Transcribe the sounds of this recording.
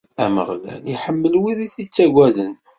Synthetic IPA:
æmə̰ʁlæ̰liħəmːəlwiɾiθit͡sːæɡʷæðən

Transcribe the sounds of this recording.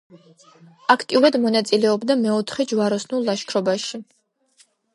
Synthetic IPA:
akʰt̪ʼiuɾad̪mɔnat̪sʼilɛɔbd̪amɛɔt̪ʰχɛd͡ʒvaɾɔsnulˠːaʃkʰɾɔbaʃi

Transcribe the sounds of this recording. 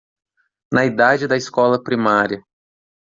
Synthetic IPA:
nɐid̪ad͡ʒɪd̪ɐɪskɔlɐpɾimaɾiɐ

